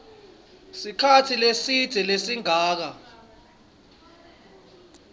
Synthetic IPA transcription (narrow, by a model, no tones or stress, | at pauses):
sikʰatʰilesid̥ʱɛlesiŋʱaːk̬a